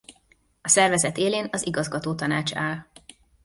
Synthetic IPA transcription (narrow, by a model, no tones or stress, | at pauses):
ɒsɛrvɛzɛt̪eːleːnɒziɡɒzɡɒt̪oːt̪ɒnaːt͡ʃaːl